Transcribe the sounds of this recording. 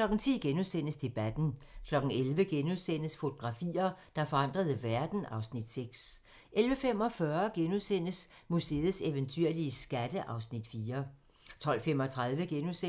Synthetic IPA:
kʰlɒ̽ɡ̥n̩t͡sʰḭːɡ̥enusen̰əsd̥e̝b̥æd̥n̩kʰlɒ̽ɡ̥n̩elʋəɡ̥enuðˠsen̰əsfo̝t͡sʰo̝ɡ̥ʁɑ̈fḭːɐd̥ɑ̈fɒ̽ɑ̈n̰d̥ʁɐðˠəʋæɐd̥n̩ɑ̈ʊsnid̥seɡ̥s | ʔelʋəfem̰ɒ̽fɶɐɡ̥enuðˠsen̰əsmuse̝ːð̩ˠseʋənt͡sʰyɐ̰liəsɡ̥æd̥əʔɑ̈ʊsnid̥fiːɐ | t͡sʰɒ̽l̰fem̰ɒ̽t͡sʰʁaðˠʋəɡ̥enuse

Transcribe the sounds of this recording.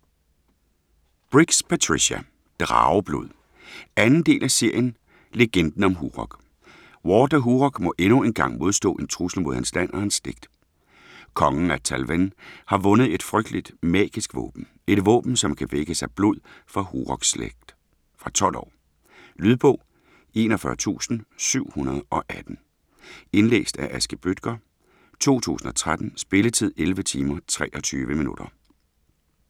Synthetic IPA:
b̥ʁiɡ̥spʰæt͡sʰʁiɕæ | d̥ʁɑ̈ːʊb̥loð̰ˠ | ænn̩d̥e̝̰ːlʔæse̝ɐ̰jən | le̝ɡ̥end̥n̩ɒ̽mɦuːʁɒɡ̥ | wɒːdɐɦuʁɒɡ̥mɒ̽ʔenue̝nɡ̥ɑ̈ŋ̰mo̝ð̞ˠsd̥ɔ̰̽ːe̝nt͡sʰʁusl̩mo̝ðˠhænslæn̰ʔɒhænsːd̥e̝ɡ̥̚d̥ | kʰɒ̽ŋn̩æt͡sʰælʋenhɑ̈ʋɔ̽nð̞̩ˠe̝d̥fʁœɡ̥̚d̥lid̥mɛ̰ːɡ̥isɡ̥ʋɔ̰ːb̥n̩ | e̝d̥ʋɔ̰ːb̥n̩sɒ̽mkʰæʋeɡ̥əsɑɪb̥loð̰ˠfɑ̈huʁɒ̽ɡ̥slḛɡ̥d̥ | fʁɑ̈t͡sʰɒ̽l̰ʔɒ̰ː | lyð̞ˠb̥ɔ̰̽ːʊ | e̝ːnɒfɶːɐt͡sʰṵːsn̩syʊ̰hunɐð̞ˠʔɒ̽ʔæd̥n̩ | e̝nlḛːsd̥æʔæsɡ̥əb̥ød̥̚ɡ̥ɐ | t͡sʰo̝̰ːt͡sʰṵːsn̩ɒ̽t͡sʰʁad̥n̩sb̥e̝lət͡sʰið̞̰ˠelʋət͡sʰiːmɐt͡sʰʁɛ̰ːʔɒ̽t͡sʰyːʋəminṵd̥ɐ

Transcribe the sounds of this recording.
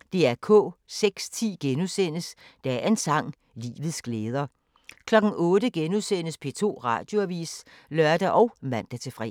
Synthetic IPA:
d̥e̝æɐkʰɔ̰̽ːseɡ̥st͡sʰḭːɡ̥enusen̰əsd̥ææɐe̝nsɑ̈ŋ̰ | lḭːʋð̞̩ˠsɡ̥leːð̞ˠɐ | kʰlɒ̽ɡ̥n̩ʔɔ̽ːd̥əɡ̥enuðˠsen̰əspʰe̝t͡sʰo̝̰ːʁɑ̰̈d̥jo̝æʋḭːs | lɶɐd̥æʔɒ̽ʊmæn̰d̥æt͡sʰe̝fʁɛ̰

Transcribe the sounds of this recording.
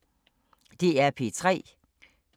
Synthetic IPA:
d̥eæɐpʰe̝t͡sʰʁɛ̰ː

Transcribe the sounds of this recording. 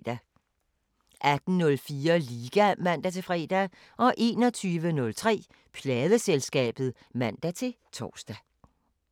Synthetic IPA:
d̥æ | ʔæd̥n̩nɔ̽lfiːɐliːɡ̥æmæn̰d̥æt͡sʰe̝fʁɛ̰ːd̥æ | ʔɒ̽ʔe̝ːnɒ̽t͡sʰyːʋənɔ̽lt͡sʰʁɛ̰ː | pʰlɛːðˠəselsɡ̥ɛ̰ːb̥ð̞̩ˠ | mæn̰d̥æt͡sʰe̝ | t͡sʰɒ̰ːsd̥æ

